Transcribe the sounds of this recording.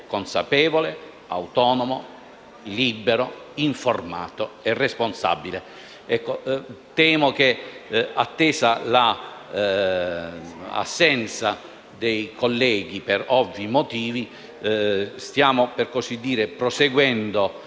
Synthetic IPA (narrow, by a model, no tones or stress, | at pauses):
konsa̰pɛːvole | a̰wt̪ɔːnomo | libeɾoiɱforma̰ːt̪oɛrːesponsa̰bːile | ɛkːot̪ɛːmok̟eat̪ːɛːsala | a̰sːɛnt̪sa | d̪ejkʰolːɛːɡ̟ipeɾɔvːimot̪iːvi | st̪jaːmoperkosid̪ːiːɾepɾoseɡwɛnd̪o